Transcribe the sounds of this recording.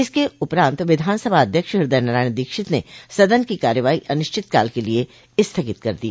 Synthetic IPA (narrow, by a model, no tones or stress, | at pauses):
ɪskeʊpɾãːnt̪ʋɪd̪ʱaːnsəbʱaɐd̪ʱjəkʃɦɪɾd̪əjnɐɾaːɪnd̪iːkʃɪt̪nesɐd̪ənkikaːɾjəʋaːiʔɐnʊʃt͡ʃʰɪt̪kaːlkelie | ɪst̪ʰɐkɪt̪kɐɾd̪iaː